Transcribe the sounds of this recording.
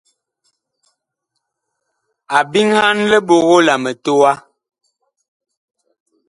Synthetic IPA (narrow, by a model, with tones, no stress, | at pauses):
a˨bi˦ŋha˦nlə˦ɓo˨ɣo˦la˨mə˨to˦a˦